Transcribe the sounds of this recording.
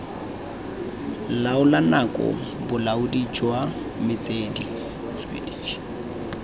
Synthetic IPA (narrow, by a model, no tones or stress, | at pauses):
laʊlanakʼɔ̰ | bʊlaʊdit͡ʃʼwa | mɪt͡sʼedi | t͡sḛdiːʃi̥